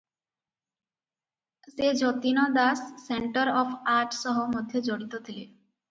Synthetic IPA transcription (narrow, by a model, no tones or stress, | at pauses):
sed͡ʑʱot̪inod̪asːeɳʈaɾɔfaɾʈʃɔɦomod̪ʱːjed͡ʑoɽit̪ot̪ʰile